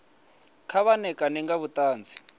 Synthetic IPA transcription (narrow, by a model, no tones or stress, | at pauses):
kʰaβanɛkanɛŋɡaβutaːnd͡zʰʱi̥